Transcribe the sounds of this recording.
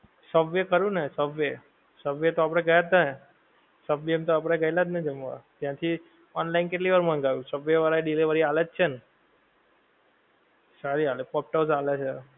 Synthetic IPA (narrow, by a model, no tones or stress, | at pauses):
səbʋekəɾũnesəbʋe | səbʋet̪oap̬ɽ̃eɡəjat̪nə | səbʋemt̪oapɽ̃eɡəjlad͡ʒ̪ned͡ʒəmʋa̰d͡ʒ̪jãt̪ʰi | ɔnlainkeʈliʋəɾmə̃ŋɡajũsəbʋeʋaɾaɖiliʋəɾialet̪̚t͡ʃʰen | saɾialepɔp̚ʈəsalet͡ʃʰe